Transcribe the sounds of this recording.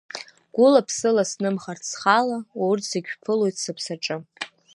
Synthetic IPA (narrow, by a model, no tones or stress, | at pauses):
ɡ̥ʷʊlapʰsɨlasnɨmχarsχalaowʊrtʰsaɡʲʷᶣpʰɨlojtʰsɨpʰsaʈ͡ʂʼɨ